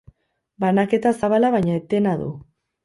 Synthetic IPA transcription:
banake̞t̪asaβalaβajɲaet̪e̞naðṵ

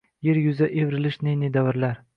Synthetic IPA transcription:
jeɾjʊzaʔevɾɪlɪʃnenɪd̪avɪɾlaɾ

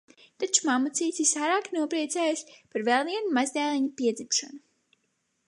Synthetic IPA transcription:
t̪at͡ʃu̥mamut̪siːt̪sisaːɾaːknuɔpɾiɛt̪sɛːjaspaɾvɛlˠviɛnumazd̪ɛːlˠiɲupiɛd̪zimʃanu

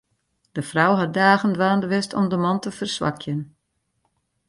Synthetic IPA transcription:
d̥əfrawɦɑt̚daːɣəndʋaːndəʋɪstɔ̰mdəmɑntəfərsʋɑ̰kʰjən

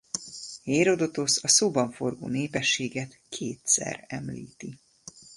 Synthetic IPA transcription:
heːɾo̞d̪ot̪o̞sɒsoːbɒɱfo̞rɡo̰ːneːpɛʃːeːɡɛt̪kʰeːt̪sɛ̰rɛmlḭːt̪i

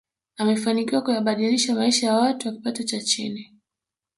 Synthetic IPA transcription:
amɛfanikiwakujaɓaɗiliʃamaiʃajawatuwaki̥patɔt͡ʃat͡ʃḭni

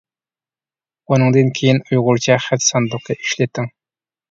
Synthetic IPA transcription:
unɨŋd̪ɨnkʲʰejinujʁʊɾt͡ʃʰɛχæt̪sɑnd̪ʊq̚ɑiʃlɪt̪ʰːɪŋ

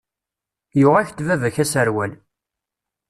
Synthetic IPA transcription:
jʊʁæçt̪vævæçæsəɾwæl

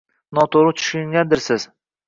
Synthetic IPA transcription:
nɒt̪ʰoɾɪt͡ʃ̪ʰʊ̥ʃʊŋɡʲad̪ɪɾsɪz̥

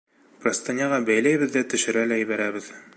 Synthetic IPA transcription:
prɐst̪anʲɑʁɑbæjlæjβɘ̆ðːæt̪ɵ̆ʃɘ̆ɾælæjɘβæɾæβɘð

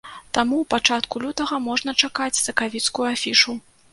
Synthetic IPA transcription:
t̪amuwpat͡ʂat̪kulʲut̪ɐɣɐmɔʐnɐt͡ʂakat͡sʲsɐkavʲit̪skujuafʲiʂu

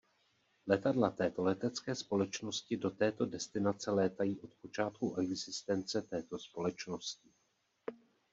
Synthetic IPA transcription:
lɛt̪adlat̪ɛːt̪o̞lɛt̪ɛt͡skɛːspo̞lɛt͡ʃno̞scɪdo̞t̪ɛːt̪odɛst̪ɪnat͡sɛlɛːt̪ajiːʔo̞t̪po̞t͡ʃaːt̪̚kuʔɛɡzɪst̪ɛnt͡sɛt̪ɛːt̪o̞spo̞lɛt͡ʃno̞scɪ

